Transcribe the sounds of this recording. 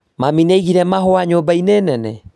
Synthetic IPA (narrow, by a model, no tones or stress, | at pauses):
mamineiɣiɾɛmaɦoaɲoːbaineːnɛnɛ̰